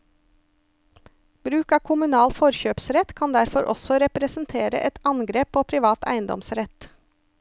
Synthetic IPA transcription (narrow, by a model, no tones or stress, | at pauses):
b̥ɾʉːkɑːkʰʊmʉnɑːlfɔɾçøːpsɾɛt̪kʰɑnd̪æɾfɔɾʔɔ̰sɔɾɛpɾɛsn̩t̪ʰeːɾə̰ʔɛt̪ɑnɡɾeːpʰoːpʰɾɪʋɑːt̪ʰæ̰ɪənd̪ɔ̰msɾɛt̪